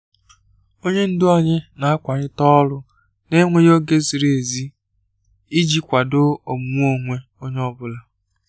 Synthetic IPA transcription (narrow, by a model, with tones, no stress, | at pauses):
o˦ɲe˦n̩˦dʊ˦ɔ˦ɲɪ˦na˨a˦kʷa˨ɾɪ˦tɔ˦lʊ˦ | ne˦ŋʷe˦jo˦ɡe˦zi˨ɾe˦˨e˨zi˦ | i˦d͡ʒi˦kʷa˨dʊ˦o˨m˨˦o˦˨ŋʷe˦ | o˦ɲe˦ɔ˦bʊ˦la˨